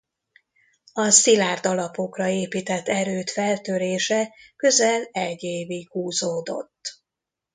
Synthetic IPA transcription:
ɒsilaːrd̪ɒlɒpo̞krɒeːpiːt̪ɛt̪ːɛɾøːt̪fɛlt̪øɾeːʃɛkø̞zɛlɛɟeːvihuːzoːd̪o̞̰t̪ː

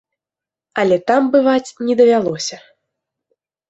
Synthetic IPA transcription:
ɐlʲɛt̪ambɨvat͡sʲnʲɛd̪ɐvʲalˠɔsʲɐ

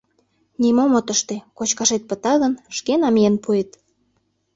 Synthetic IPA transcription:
nimomot̪əʃt̪ekot͡ɕkɑʃet̪̚pə̆t̪ɑɣənʃkenɑmijenpʰuet̪

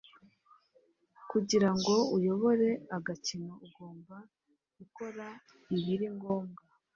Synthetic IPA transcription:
kuɟiɾaŋɡo̞ujo̞βo̞ɾe̞aɡacinouɡo̞ːmba | ɡuko̞ɾa | iβiɾiŋɡo̞ːmɡa

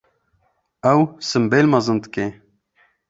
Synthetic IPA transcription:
æwsɨmbelmɐzɨnd̪ɨke

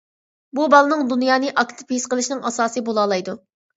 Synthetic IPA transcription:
bubɑlˠɨnɨŋd̪unjɑːnɨʔɑkt̪ʰɪ̥pisqəlˠɨʃnɨŋʔɑsɑːsɨbolˠɑːlˠɑjd̪u

